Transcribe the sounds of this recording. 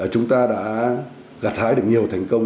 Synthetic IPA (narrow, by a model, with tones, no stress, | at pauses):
ə˧˨˩t͡ɕʊ˨˦ŋ͡mt̪aː˧ɗa̰ː˧˥ | ɣa˨˩t̚t̪ʰaː˧˥jɗɨ˨˩ək̚ɲi˨˩əwt̪ʰɛ˨˩jŋ̟kə˧wŋ͡m